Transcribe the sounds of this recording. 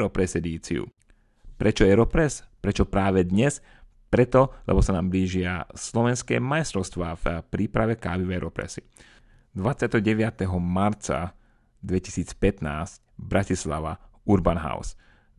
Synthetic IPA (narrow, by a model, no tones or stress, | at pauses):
ɾɔpɾɛsɛd̪iːt͡sḭṵ | pɾʔɛt͡ʃɔɛɾɔpɾɛspɾɛt͡ʃɔpɾaːʋɛd̪ɲɛs | pɾɛt̪ɔlɛ̰bɔsanaːmbliːʒɪaslɔʋɛnskɛ̰ːmajst̪ɾɔʊst̪ʋaːfpɾiːpɾaʋɛkaːʋivɛɾɔpɾɛ̰si | d̪ʋat̪t͡sɪat̪ɛɦɔɟɛʋɪat̪ɛɦɔmaɾt͡sa̰ | d̪ʋɛci̥siːt͡spɛt̪naːscbɾacisla̰ʋa̰uɾbanɦa̰ʊs